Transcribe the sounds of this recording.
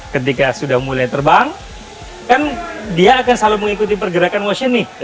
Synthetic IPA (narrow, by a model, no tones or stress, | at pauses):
kət̪ikasudahmulajt̪ərbaŋ | kandiaːkansaluməŋikut̪̬ipərɡəɾakanwoʃɪnnɪ